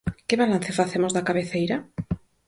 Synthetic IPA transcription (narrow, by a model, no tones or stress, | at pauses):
keβalan̟θefaθemozðakaβeθejɾa